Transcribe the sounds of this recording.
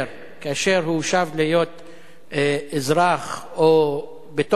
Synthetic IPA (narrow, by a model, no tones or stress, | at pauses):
ɾ | kaːʃeɾhuʃavlijo̞t̪ | ezʁaχ | o | bet̪o